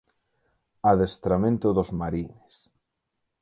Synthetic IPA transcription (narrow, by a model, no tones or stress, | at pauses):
aðest̪ɾamẽnt̪ʊðozmaɾines